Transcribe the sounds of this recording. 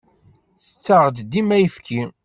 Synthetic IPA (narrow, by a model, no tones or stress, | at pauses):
θə̥t͡sːəʁd̪d̪imæjəfkʰi